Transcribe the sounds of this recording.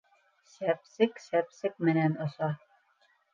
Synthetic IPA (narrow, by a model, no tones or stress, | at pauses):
sæp̚sɪksæpsɪk̚menænosɑ